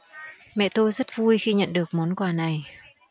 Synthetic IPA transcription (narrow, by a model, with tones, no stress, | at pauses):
mɛ̰˧˨t̪o˧jzə˦˥t̚vu˧jxi˧ɲə̰˧˨nɗɨ˨˩ək̚mɔ˨˦nkwaː˨˩na˨˩j